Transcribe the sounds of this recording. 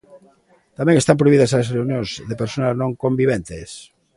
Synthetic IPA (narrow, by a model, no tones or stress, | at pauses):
t̪amẽŋest̪ampɾoiβiðasasreunjõŋzðepeɾsonaznõŋkombiβ̞ent̪es